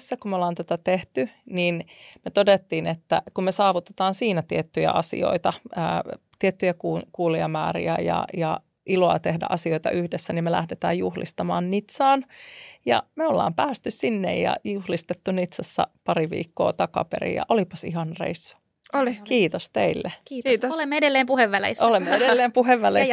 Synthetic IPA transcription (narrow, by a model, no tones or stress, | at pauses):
sːækumeolːɑːnt̪æt̪æt̪eht̪yninmet̪odet̪ːiːnet̪ːæ̰kummesɑːʋut̪et̪ɑːnsiːnæt̪iet̪ːyjæ̰ʔɑsḭo̰it̪ɑə̰ːt̪iet̪ːyjækuːkuːliɑmæːrḭæ̰jɑ̰jɑ | ʔiloɑ̰t̪ehdæ̰ʔɑsioit̪ɑ̰ʔyhdesːænimmelæ̰hdet̪æ̰ːjjuhlḭst̪ɑmɑ̰ːnnit̪sɑːnjɑ̰meolːɑ̰ːmpæːst̪yssinːḛjjɑ̰juhlist̪et̪ːunit̪sɑsːɑ̰pɑɾiʋḭːkːoːt̪ɑkɑ̰pḛrḭjɑ̰ʔolipɑsḭɦɑnrḛisːu̥ | olikiːt̪ost̪eilːekːolemːeedelːeːmpuheʋːælḛsolemːeeɾelːeːmpuɦeʋːæleis